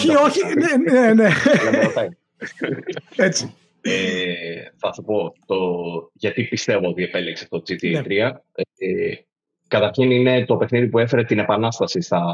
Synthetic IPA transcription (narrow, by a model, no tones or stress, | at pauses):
ioçineeneɐot̪ɐi | et͡si̥ | e | θɐsupo̞t̪oʝɐt̪ipist̪e̞voot̪iepelikseft̪ot͡sit̪it̪ɾiɐ | e | kɐt̪ɐɾçinine̞t̪o̞pe̞xniðipue̞fe̞ɾe̞t̪ine̞pɐnɐst̪ɐsist̪ɐ